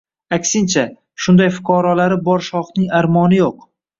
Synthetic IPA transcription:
akʲsɪnt͡ʃʰa | ʃʊnd̪ajfʊ̥qʰɒɾɒlaɾɪbɒɾʃɒχnɪŋaɾmɒnɪjoq

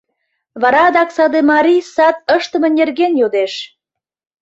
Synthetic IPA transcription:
βɑɾɑd̪ɑksɑd̪emɑɾʲisɑt̪̚əʃt̪ə̆mə̆nʲerɣenjod̪eʃ

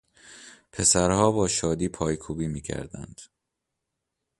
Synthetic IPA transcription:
pʰe̞sæɾhɒːbɒːʃɒːd̪iːpʰɒːjkʰuːbiːmiːcʰæ̰ɾd̪æ̰nd̪̥

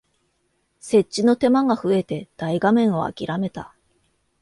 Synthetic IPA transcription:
se̞t͡ɕːino̞t̪e̞maɡaɸɯ̟e̞t̪e̞d̪̥aiɡamẽ̞ɰ̃o̞a̰kʲiɾame̞t̪a

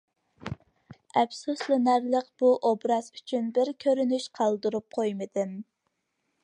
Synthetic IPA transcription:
ɛbsuslˠɨnæɾləqb̥uʔobɾɑz̥yt͡ʃʰynbɪɾkʲʰøɾynyʃqʰɑlˠd̪ɨɾup̚qʰojmɨd̪ɨn

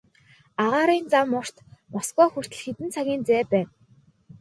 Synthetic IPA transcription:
aʁaːɾiːnt͡samːʊr̥t̪mɔsɡɔːxur̥t̪ɘ̆ɮxet̪ɘ̆nt͡sʰaɣʲiːnt͡sæːpæːn

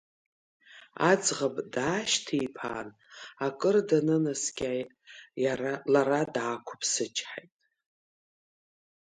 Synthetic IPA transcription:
ad͡zʁabdaːʃtʰijpʰa̰ːn | akʼɨrdanɨnaskʲʼaːjtʼalaɾadaːkʷʰʊ̥pʰsɨt͡ʃʰʼħajtʼ

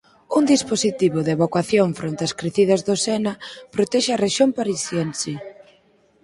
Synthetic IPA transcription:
uŋd̪isposit̪iβoðeβokaθjoɱfɾʔont̪eɐskɾeθið̞ɐzðosɛnapɾot̪ɛʃeareʃompaɾisjɛnse

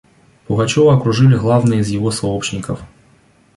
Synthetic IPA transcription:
pʊɣɐt͡ɕɔvɐɐkɾʊʐɨlʲɪɣlˠavnɨizjɪvosɐɔpɕnʲɪkəf

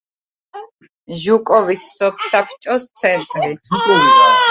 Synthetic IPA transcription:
ʒukʼɔvisːɔpʰsapʰt͡ʃʼɔst̪sʰɛnt̪ʼɾi

